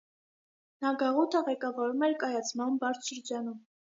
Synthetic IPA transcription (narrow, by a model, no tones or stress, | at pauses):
nɑɡɑʁut̪ʰəʁɛkɑvɑɾumɛɾkɑjɑt͡sʰmɑmbɑɾt͡ʃʰʃəɾd͡ʒɑnum